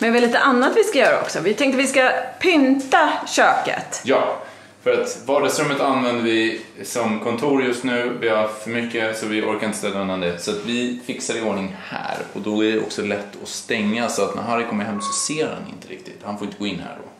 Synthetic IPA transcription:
mɛvɛliːt̪əʔanːat̪vɪskajœːɾa̰ɔ̰ksɔvɪt̪ʰɛŋk̚t̪əvɪskapʰʏnt̪aɕøːkə̰t̪jɑː | fœɾat̪vɑːɖasɾɵmːət̪anvɛnd̪əvɪsɔmkʰɔnt̪ʰuːɾjɵst̪nʉ̟ːvɪafœɾmʏkːəsɔvɪʔɔɾkaɾɪnt̪əsɛlːaɛnand̪ɛsɔat̪vɪfɪksad̪ɪoːɳɪŋhæ̰ːɾɔd̪ɔæɖɛɔ̰ksɔlɛt̪ʰːɔst̪ɛŋːasɔat̪næ̰ɾɦaɾɪkʰɔmːəɾɦɛmːsɔseːɾha̰nɪ̰nt̪əɾɪ̰k̚t̪ɪt̪hanfoːjɪnt̪əɡoːɪnːhæ̰ːɖɔ̰

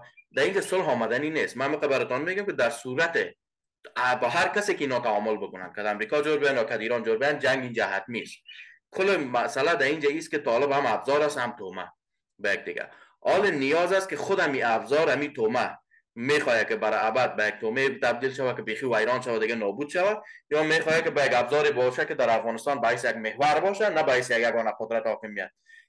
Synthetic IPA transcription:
d̪aind͡ʒasʊlɦɒmad̪aninest̪maːmiqabaɾɪt̪ɔnmeɡamkɪd̪aɾsuɾat̪ɪ | bɔɦaɾkasekɪinɒt̪aɔmʊlbʊkʊna̰nkad̪amɾikɔd͡ʒoɾbejanjɒkad̪iɾɔnd͡ʒoɾbejand͡ʒaŋɡind͡ʒaɦat̪̚mist̪̚kʰʊlemasalad̪aind͡ʒaist̪̚kɪt̪ɔlɪbhamabzɔɾashamt̪oma̰ | bajak̚d̪ɪɡa̰ | ɒlɪnɪjɒzaskɪxʊd̪amiʔabzɔɾamit̪oma | mexɔjakɪbaɾabad̪̚bajak̚t̪omet̪ab̚d̪ilʃawakɪbexiwajɾɔnʃawad̪ɪɡanɔbud̪ʃawajɔmeχɔjakɪbajaɡabzɔɾebɔʃakɪd̪aɾafɣɔnɪst̪ɑnbahes̬ejaɡmehwaɾbɔʃanabahes̬ejaɡjaɡɔnaqʊd̪ɾat̪hɔkɪmijat̪̚

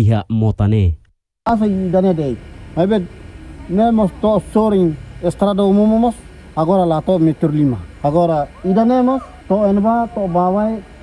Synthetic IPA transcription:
iɦamot̪ane | as̬aiːdanedejmajbe | memɔst̪ɔsoɾiŋɛst̪ɾadaumumomɔs | haɡoɾalat̪omɛt̪uɾlimahaɡoɾaidanemɔs | t̪ɔɛnbat̪obawae

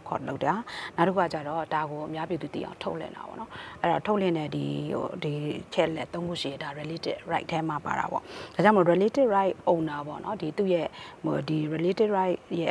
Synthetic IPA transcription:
kʰɔ̰loʊʔtːannaʊtəkʰukat͡ɕaɾɔd̥aɡoʔəmjapjed̪ðṵḭʔãʊ̃ntʰoʊʔlɪ̰̃nda̰bɔ̰nɔʔɛɔ̰tʰoʊʔlɪ̃nɛdḭdit͡ɕʰɛ̰ʔəlɛt̪ːõʊ̃ŋɡṵʃḭj̃daɹɛletɪʔɹaɪʔtʰːɛmapa̰ɾa̰bɔ̰d̥ad͡ʑãmoɛletɪʔɹaɪʔʔõʊ̃ndabɔ̰nɔdit̪ṵjɛo̰diɹɛletɪʔɹaɪʔjɛ̰

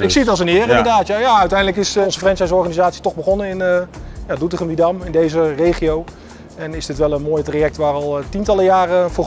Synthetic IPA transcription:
ɪksiətɑlˠzənɪːrɪndədaːtjajaːœɥtɛjndələkɪsɔnzəfrɛnsɛs̬ɔrχanizaːtsitɔχbəχɔnəɪnəjaːdutəχəmidɑmɪndejzərejχiow | ɛnɪzdɪtʋɛlˠənmoːjtrajɛk̚tʋaːrɑlˠtintɑləjaːrəvʊː

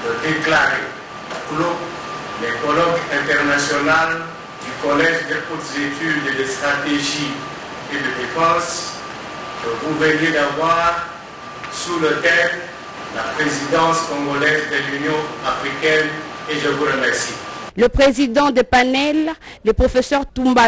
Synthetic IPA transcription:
d̪əd̪eklaʁe | klo | lɛkɔlɔkɛ̃t̪ɛʁnasjɔnal | d̪ykɔlɛʒd̪ekut̪zet̪yd̪d̪əst̪χat̪eʒi | ed̪əd̪efɑ̃s | kəvuvənjed̪avwaʁ | sulət̪ɛm | lapχezid̪ɑ̃skɔ̃ɡɔlɛzd̪əlynjɔ̃afχikɛn | eʒəvuləmɛksikləpχezid̪ɑ̃d̪epanɛlːepχofesœʁt̪ũmba

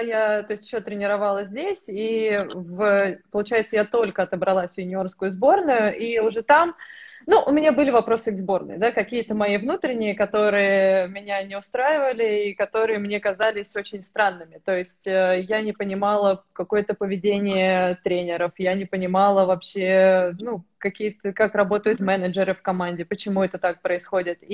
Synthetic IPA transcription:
jat̪oɪsʲtʲɪ̥ɕːot̪ɾʲɪnʲɪɾɐvalˠəzʲzʲdʲesʲivəpəlˠʊt͡ɕæjɪt̪səjat̪o̞lʲkəɐt̪əbɾɐlˠasʲvʲjɪnʲɪo̞rskʊjʊzbo̞rnʊjʊʔiʊʐɛt̪am | nuʔʊmʲɪnʲabɨlʲɪvɐpɾo̞sɨɡzbo̞rnɨ̰jd̪akɐkʲijət̪əmɐivnut̪ɾʲɪnʲːɪjəkɐt̪o̞ɾɨjəmʲɪnʲanʲɪʊst̪ɾajɪvəlʲɪikɐt̪o̞ɾɨjəmnʲe̞kɐzalʲɪsʲot͡ɕɪnʲst̪ɾanːɨmʲɪt̪ojɪsʲtʲəjanʲɪpənʲɪmɑlˠəkɐko̞jət̪əpəvʲɪdʲenʲɪjət̪ɾʲenʲɪɾəfjanʲɪpənʲɪmalˠəvɐpɕenukɐkʲijət̪əkakrɐbo̞t̪əjʊt̪mɛnəd͡ʒɪɾɨfkɐmanʲdʲɪpət͡ɕɪmuɛt̪ət̪ak̚pɾəɪsxo̞dʲɪt̪i

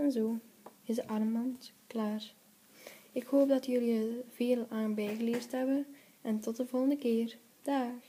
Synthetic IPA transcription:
ɛnzoːɪzdəʔɑrmɑntklaːr | ɪkhoːp̚dɑtjɵliəv̥eːlˠaːnbɛjɣəlɪːrstɦɛbən | ɛntɔt̚dəvɔlˠɣəndəkɪːr | d̥aːx

